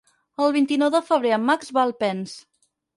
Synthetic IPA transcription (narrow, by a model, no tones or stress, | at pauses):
əlˠβint̪inɔwðəfəβ̞ɾeəmːakzβalˠpɛns